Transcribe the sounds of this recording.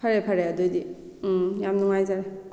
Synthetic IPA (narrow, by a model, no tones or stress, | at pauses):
pʰaɾepʰaɾeadojdi | jamnuŋajzaɾe